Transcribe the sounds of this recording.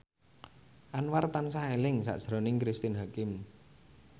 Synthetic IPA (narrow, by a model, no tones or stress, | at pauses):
ʔanwart̪ansaelɪŋsa̰ʔd̥ʒ̥ɾɔnɪŋkɾist̪ɪnɦakɪm